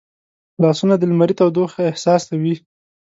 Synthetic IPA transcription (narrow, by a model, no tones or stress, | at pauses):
lɑsunad̪əlmaɾit̪awd̪oxaɪhsɑst̪awi